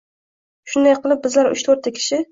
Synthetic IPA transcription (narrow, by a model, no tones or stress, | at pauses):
ʃʊnd̪ajqʰɨlˠɪp̚bɪzlaɾʊ̰t͡ʃt̪ʰoɾt̪ʰːakʲʰɪ̥ʃɪ